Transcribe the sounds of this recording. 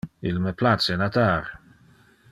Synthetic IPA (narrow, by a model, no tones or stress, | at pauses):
ilməplat͡senat̪aɾ